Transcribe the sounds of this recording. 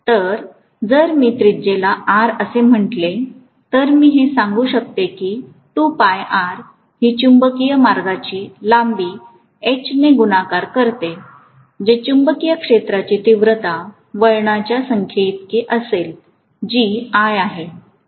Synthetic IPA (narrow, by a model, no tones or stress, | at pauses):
t̪əɾ | d͡zəɾmiːt̪ɾid͡ʑelaaɾəsem̤əʈle | t̪əɾmiːɦesãŋɡuːɕək̚t̪ekiː | t̪upajaɾ | ɦiːt͡ɕumbəkijəmaɾɡat͡ɕiːlambiː | et͡ɕneɡunakaɾkəɾt̪e | d͡ʑet͡ɕumbəkijəkʂet̪ɾat͡ɕiːt̪iʋɾət̪a | ʋəɭɳat͡ɕjasəŋkʰjeit̪kiʔəsel | d͡ʑiajaɦe